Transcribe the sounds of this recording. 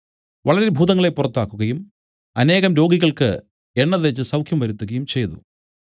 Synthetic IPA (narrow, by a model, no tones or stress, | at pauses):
ʋɐɭɐɾebʱuːðɐŋːɐɭepːurɐt̪ːaːkːuɣɐjum | ɐne̞ːɣɐmɾo̞ːɡiɣɐɭkɨ | e̞ɳːɐðet͡ɕːɨsɐwkʰjɐmʋɐɾut̪ːuɣɐjumt͡ɕe̞jt̪ṵ